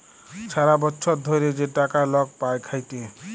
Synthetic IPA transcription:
t͡ʃʰaɾabɔtːsʰʌd̪ʱoɾed͡ʒeʈakalʌɡ̚pajkʰajt̪ẽ

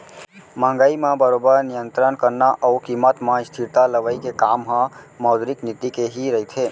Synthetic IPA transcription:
mə̃ŋɡəimãbəɾobəɾnijənt̪ɾənkəɾnaʔəukimət̪mãist̪ʰiɾt̪aləʋəjkekamɦãməʊd̪ɾiknit̪ikeɦiɾəɦit̪ʰe

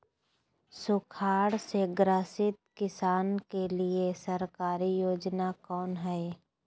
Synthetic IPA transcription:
sʊkʰaːɽseɡɾəsɪt̪̚kɪsaːnkeliesəɾkaːɾijoːd͡ʒnakɔːnɦɛe

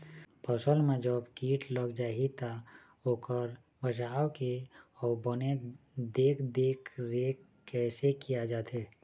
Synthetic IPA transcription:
pəsəlmẽd͡ʒəbkiːʈʰləɡd͡ʒaːɦit̪ʰa | oːkəɾ | ʋəd͡ʒaːwkeɔːbəned̪eːkʰd̪eːkʰɾeːkː | ɛːsekijad͡ʒaːt̪ʰeː

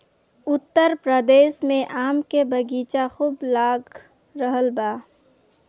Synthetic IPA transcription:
ʊt̪ːəɾpɾəd̪eːʃmẽʔaːmkebəɡiːt͡ʃaxuːblaːɡ | ɾəɦəlbaː

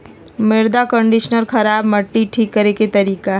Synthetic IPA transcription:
mɪɾd̪akə̃ɳɖɪʃnəɾxɐɾaːbmɐʈːiʈʰiːkːɐɾeket̪ɐɾiːkaɦ

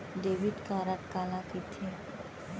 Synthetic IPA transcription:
ɖeːʋiɖkaːɾət̪kaːlakit̪ʰe

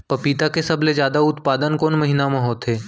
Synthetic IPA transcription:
pɐpiːt̪akesɐblezjaːd̪aʊt̪paːd̪ənkoːnmɐɦinamɐ̃ɦoːt̪ɦeː

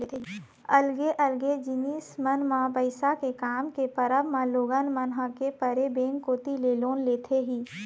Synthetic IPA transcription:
əlɡeʔəlɡed͡ʒɪniːsmənmãbəɪsakekaːmkepəɾəbmãloːɡənmənɦakepəɾebẽːŋkːoːt̪ileloːnleːt̪ʰeɦiː

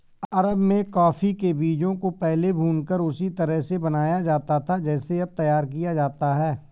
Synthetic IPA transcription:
ɐɾəbmẽkɔːfikebiːd͡ʒõkopɛɦlebʱuːnkəɾʊsit̪əɾəɦsebɐnaːjad͡ʒaːt̪at̪ʰad͡ʒɛːseɐb̚t̪ɐjaːɾk̬ijad͡ʒaːt̪aɦɛː

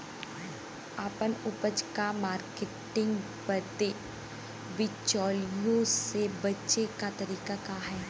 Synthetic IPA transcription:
aːpənʊpəd͡ʒkamaːɾkeʈɪ̃ŋɡ | pəɾt̪e | ʋɪt͡ʃɔːlijõsebɐtːʃekat̪ɐɾiːkakaɦɛː

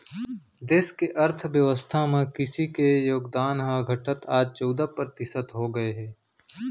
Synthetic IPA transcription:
d̪eːskeʔɐɾt̪ʰʋjəʋəst̪ʰamẽkɪsikejoːɡd̪aːnɦaɡʱɐʈət̪aːd͡ʒt͡ʃɔːd̪apəɾt̪ɪsət̪ɦoɡɐeɦɛː

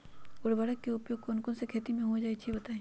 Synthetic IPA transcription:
ʊɾʋɐɽəkːeʊpjoːɡ̚konkonsekʰeːt̪imẽɦud͡ʒaːit͡ʃʰibɐt̪aẽ

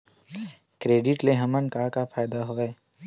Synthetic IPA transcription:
kɾeːɖɪʈleɦɐmənkakapʰaːjd̪aɦoːeː

